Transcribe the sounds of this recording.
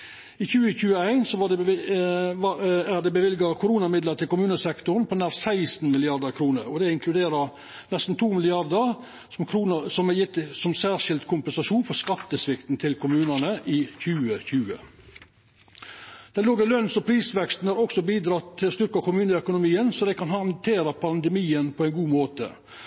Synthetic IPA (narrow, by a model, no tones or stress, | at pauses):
içʉːəçʉːəæɪnsɔʋɑɖɛ | ɑæd̪ɛbəʋɪlɡɑkʰʊɾuːnɑmɪd̪lət̪ʰɪlkʊmʉːnəsɛkt̪ʊɾnpʰɔnæːɾsæɪsn̩mɪlɪɑɾd̪əɾkʰɾuːnəɾɔd̪ɛɪŋkʰlʉd̪eːɾə | nɛst̪n̩t̪ʰuːmɪlɪɑɾd̪ə | mkʰɾuːnəsɔmæjɪt̪ːsɔmsæːɾʂɪld̪kʰʊmpənsɑʂuːnfɔɾskɑt̪ːəsʋɪkt̪n̩t̪ʰɪlkʰʊmʉːnənəʔɪçʉːəçʉːə̰ | d̪̥ɛɪloːɡəlœnsɔpʰɾiːsʋɛkst̪n̩æɾɔksɔbiːd̪ɾɑt̪ːʰɪlst̪ʏɾkɑkʰʊmʉːnəœkʊnʊmiːənsɔd̪ɛɪkɑnhɑnt̪ʰeːɾəpʰɑnd̪ɛmiːənpʰɔɛɪnɡuːmoːt̪ə̰